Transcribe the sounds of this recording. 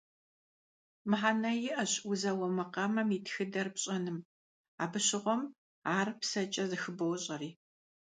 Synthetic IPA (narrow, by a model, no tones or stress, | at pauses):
mɨħaːnɐjɪʔɐɕʼʊzɐwɔmɐqɐmɐmiːtxɨdɐrpɕʼɐnɨm | a̰ːbɨɕɪʁʷɔm | aːrpsɐt͡ʃʼɐzɨxɨbɐwɕʼɐriː